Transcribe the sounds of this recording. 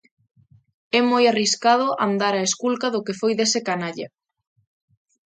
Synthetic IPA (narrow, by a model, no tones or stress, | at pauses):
ɛmojariskað̞ʊʔand̪aɾaeskulkaðʊkefojðesekanaʎa